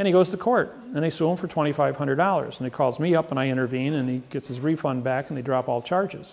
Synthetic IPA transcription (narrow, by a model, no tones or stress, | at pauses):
ɨ̃ñiɡoʊz̥tʰɨkʰɔɹɾ | ɨ̃neɪsũɱfə˞tʰw̥ɛ̃ɾ̃ifaɪv̥hʌ̃ndɹə˞dɔlˠə̰˞zə̃nɨt̚kʰɔlˠzmiʌpə̃ñaɪɪ̃ɾ̃ə˞vĩnɨ̃niɡ̥ɛtsɨzɹifʌ̃nbækn̩ðeɪdɹɑpɔlˠt͡ʃʰɑɹd͡ʒɪz̥